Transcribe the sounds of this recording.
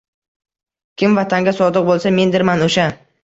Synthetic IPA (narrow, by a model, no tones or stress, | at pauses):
kʲʰɪmvat̪ʰaŋɡʲasɒd̪ɨq̚bolˠsame̞nd̪ɪɾmanoʃa